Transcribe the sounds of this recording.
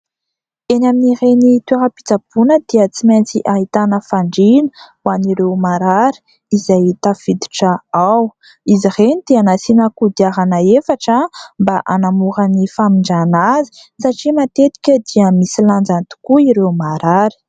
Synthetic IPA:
enaminiɾenit̪weɾəpi̥t͡sab̥unəd̪̥iət͡siment͡siʔaɦit̪anəfaɳɖ͡ʐin | waniɾewmaɾaɾi̥ | izajt̪afid̪i̥ʈ͡ʂəaw | izirenid̪̥eanasinəkud̪iaɾanəefaʈ͡ʂəmbaʔanamuɾənifamiɳɖ͡ʐanazi̥ | saʈ͡ʂimat̪et̪i̥kʲəd̪iəmisiland͡zant̪u̥kuiɾewmaɾaɾi̥

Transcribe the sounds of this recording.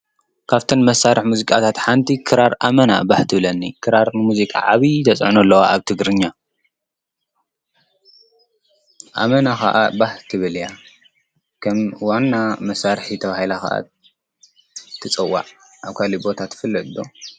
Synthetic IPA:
kʰaβt̪ʰɨnmɐsːaɾʔɨħmuzikʼat̪ʰat̪ħant̪ʰikʰɨɾaɾʔamɐna̰baħt̪ʰɨβlɐnːikʰɨɾaɾnɨmuzikʼa̰ʕaβit̪ʰɐsʼʕunɐlːɐwaʔaβt̪ʰɨɡɾɨɲːa | ʔa̰mɐnaxa̰ʔabaħt̪ʰɨβɨlja | kʰɐmwanːamɐsːaɾħit̪ʰɐβahilakɐ̰ʔa̰ | t̪ʰːɨt͡sʼɨwːa̰ʕ | ʔaβkʰalibo̞t̪ʰat̪ʰːɨfɨlːɐt̪d̪o

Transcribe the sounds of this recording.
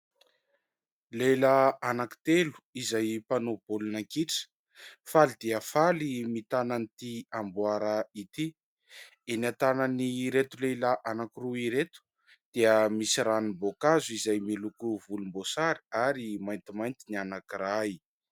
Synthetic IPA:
lelaanaki̥t̪elu̥izajpanobolunaŋkiʈ͡ʂə̥ | falid̪eafalimit̪ananit̪iambuaɾait̪i | enat̪anəniɾet̪ulelaʔanakiruiɾet̪u̥ | d̪̥eəmisiɾanibokazuizajmilukuvulumbosaɾi̥aɾimajnt̪imajnt̪inianakiraji

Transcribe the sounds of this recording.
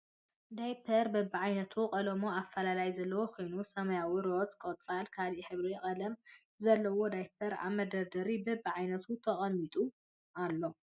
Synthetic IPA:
d̪ajpʰɐɾbɐbːiʕajnɐt̪ʰukʼɐlɐmoafːɐlalajzɐlːɐwokʰojnusɐmɐjawiɾot͡sʼkʼot͡sʼalkʰaliħɨβɾijɛχʼɐlɐm | zɐlːɐwo̞d̪ajpʰɐɾa̰βmɐd̪ɐɾd̪ɐɾibɐbːiʕajnɐt̪ʰut̪ʰɐχʼɐmːit̪ʼu | alːo̞

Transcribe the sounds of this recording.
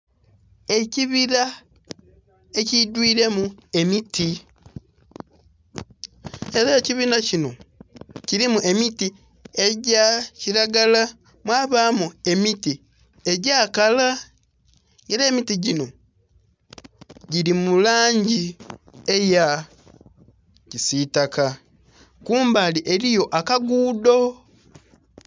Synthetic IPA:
e̞ciβiɾa | ecidwiːɾe̞mue̞miti | e̞ɾaciβiːnacino̞ | ciɾimuʔe̞miti | e̞ɟaciɾaɡala | mwaːβaːmue̞miti | e̞ɟaːkala | ŋɡeɾeːmitiɟino̞ | ɟiɾimulaːɲɟieja | cisitaka | kuːmbaliʔe̞lijo̞ʔakaɡuːdo̞

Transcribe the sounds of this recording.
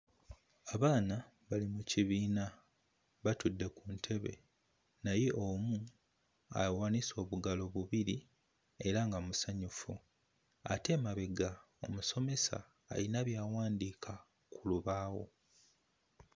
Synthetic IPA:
aβaːna | βalimuciβiːna | βatudːe̞kuntʰe̞βe̞̰ | naje̞ʔomu | a̰waniso̞ːβuɡalo̞βuβiɾi | e̞ɾaŋɡamusaɲufu | a̰te̞maβeɡa | o̞̰muso̞me̞sa̰ː | linaβjaːwaːndiːkʰa | kʰuluβaːwo̞̰

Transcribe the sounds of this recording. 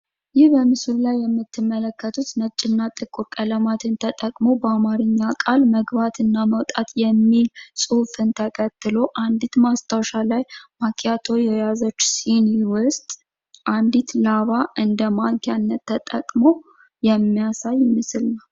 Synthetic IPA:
jɪhbəmɨsɨllajːɛmːɨt̪ʰːɨmːələkːət̪ʰut̪nət͡ʃʼːɪnːat̪ʼɨkʼːuɾkʼələmat̪ʰɨnt̪ʰət̪ʼəkʼmo̞bəamaɾɨɲːakʼalməɡbat̪ʰɨnːaməwt̪ʼat̪jɛmːilsʼɨfɨnt̪ʰəkʰət̪ːɨlo̞ʔand̪it̪mast̪ʰawʃalajmakʰʼjat̪ʰo̞jɛjazət͡ʃːsiniwʊst̪ʼ | ʔand̪it̪laβaʔɨnd̪əmaŋkʰanːət̪ʰːət̪ʼəkʼmo̞ | jɛmːijasajːɪmɨsɨlna

